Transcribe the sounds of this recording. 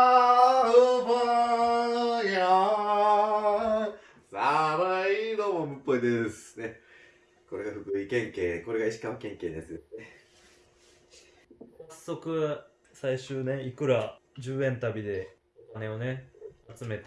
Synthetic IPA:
ɯba | ja | sabaaid̪oːmomɯ̟pːo̞id̪esɨ̥ne | ko̞ɾe̞ɡaɸɯ̟kɯ̟ikẽ̞ŋkeːko̞ɾe̞ɡaiɕi̥kãmkẽ̞ŋke̞ːd̪e̞sɨd̪esɨne | sasːo̞kɯ̟ | saiɕɨːne̞ikɯ̟ɾad͡ʑɨːẽ̞nt̪abʲid̪e̞ | okane̞o̞ne̞at͡sɨme̞t̪a

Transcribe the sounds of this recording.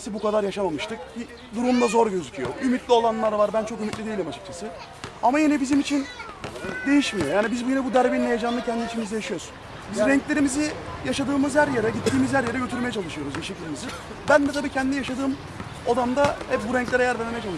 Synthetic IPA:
sibukad̪aɾjaʃamamɯʃt̪ʰɯk̚i | d̪uɾumlˠazo̞ɾɟø̞zycʰyjo̞̰ʔymit̪lʲio̞lˠanlˠaɾvaɾbænt͡ʃʰo̞kymit̪lʲid̪ejilʲimat͡ʃʰɯ̥k̚t͡ʃʰasɯ | amajinɛbizimit͡ʃʰin | d̪e̞jiʃmijo̞jaːnibizbjinɛbud̪æɾbinːejed͡ʒanˠacʰɛnd̪it͡ʃʰinmizijaʃɯjo̞su̥n | bizɾɛɲclʲe̞ɾimizijaʃad̪ɯːmɯzhæɾjeɾɛɟit̪ːiːmizhæɾjeɾɛɟø̞t̪ʰyɾmeɛt͡ʃʰalˠɯʃɯjo̞ɾuzbiʃecʰilʲimizɪ | bænd̪ɛt̪abiːcʰɛnd̪inijaʃad̪ɯːm | od̪amd̪ahɛp̚buɾɛɲclʲɛɾɛjæɾveɾmejɛt͡ʃʰalˠ

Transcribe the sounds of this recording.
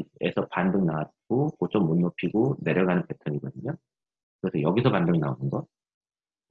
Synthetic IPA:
ḛsʰʌpandɯŋnawat̚k͈okot͡ɕ͈omːunːopʰiɡone̞ɾʌɭɡanɯnpe̞tʰʌɲiɡʌdɯɲo | kɯɾʌsʰʌjʌɡisʰʌpandɯŋnaonɯnɡʌ

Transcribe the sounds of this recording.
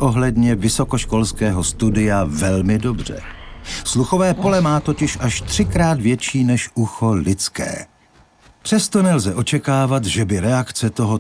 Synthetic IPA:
ʔo̞ɦlɛdɲɛvɪso̞ko̞ʃko̞lskɛːɦost̪udɪjavɛlmɪdo̞br̝̥ɛ̰sluxo̞vɛːpo̞lɛmaːt̪o̞cɪʃʔaʃt̪r̝̥ɪkɾaːd̪vjɛt͡ʃiːnɛʃʔuxo̞lɪt͡skɛ̰ː | pr̝̥ɛst̪o̞nɛlzɛʔo̞t͡ʃɛkaːvat̪ʒɛbɪɾɛakt͡sɛt̪o̞ɦo

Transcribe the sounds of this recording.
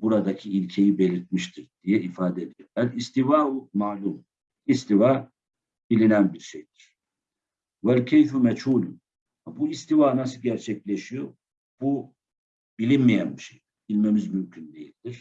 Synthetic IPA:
buɾad̪acʰiilʲcʰe̞jibe̞lʲiɾt̪̚miʃt̪ʰiɾd̪̥ijɛifaːd̪ɛd̪ijoɾælist̪ivaːumaːlʲuːm | ist̪ivaː | b̥ilʲinænbiɾʃejd̪iɾ̥ | wælcʰejθumɛd͡ʒhuːlun | buist̪ivaːnasɯɟæɾt͡ʃʰɛclʲeʃijo | b̥u | bilʲinmijænbiʃej | bilʲme̞mizmymcʰynd̪e̞jilʲd̪iɾ̥

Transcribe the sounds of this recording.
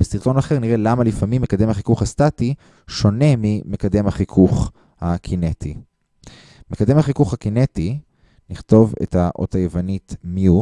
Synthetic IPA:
b̥esiʁt̪o̞naχeʁniʁe̞lamalifamimːe̞kademhaχikuχhastati | ʃo̞ne̞mime̞kad̪e̞mhaχikʰuχ | hakʰinetʰi | me̞kad̪e̞mhaχikuχhakineti | niχt̪o̞vḛthaʔo̰tajevanit̪mju

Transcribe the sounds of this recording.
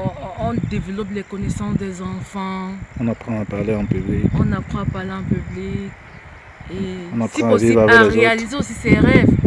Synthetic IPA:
ɔ̃d̪evəlɔplɛkɔnɛsɑ̃sd̪ɛzɑ̃fɑ̃ɔ̃napχɑ̃apaʁleɑ̃pyblikɔ̃napχɑ̃apaʁleɑ̃pyblik | eɔ̃naspχɑ̃avivʁavɛlɛʁzeoalizeosisɛʁɛv

